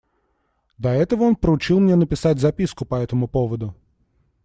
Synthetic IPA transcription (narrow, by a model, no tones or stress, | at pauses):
d̪ɐɛt̪əvəo̞npɾəʊt͡ɕilˠmnʲenəpʲɪsatʲzɐpʲiskʊpɐɛt̪əmʊpovəd̪ʊ